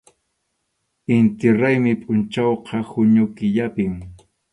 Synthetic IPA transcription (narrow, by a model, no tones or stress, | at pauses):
ɪnt̪ɪɾajmɪpʼʊnt͡ʃawqʰɑhʊɲʊkɪʎapɪŋ